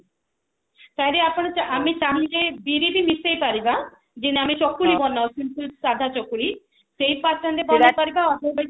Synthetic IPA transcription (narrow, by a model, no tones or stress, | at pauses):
t̪ajɾeapɔɽ̃ɔt͡ʃamit͡ʃanid͡ʒebiɾibimisejpaɾiba | d͡ʒiniamit͡ʃɔkːulibɔnːawkintusad̪ʱat͡ʃɔkːuli | sejpast͡ʃand̪ebɔnajpaɾibaɔtɔba